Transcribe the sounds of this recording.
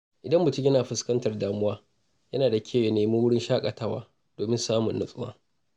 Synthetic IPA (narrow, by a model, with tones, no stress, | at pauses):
ʔɪ˨dɐ˦mbʊ˨tɪ˦ɡʲɐ˦naː˨ɸɪ˨skɐ˦ntɐ˨rdaː˦mʊ˦waː˦ | jɐ˦naː˨da˨kʲʰeː˦˨je˨neː˨mu˦wʊ˦ɽɪ˦nʃaː˦kʼa˨tɐ˦˨wa̰ː˦ | d̥oː˨mɪ˦nsaː˦mʊ˨nːʊ˦sʼʊ˦wa̰ː˦